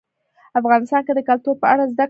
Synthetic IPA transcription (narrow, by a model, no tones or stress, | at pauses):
afɣɑnɪst̪ɑnked̪əkalt̪uɾpəaɽazd̪ak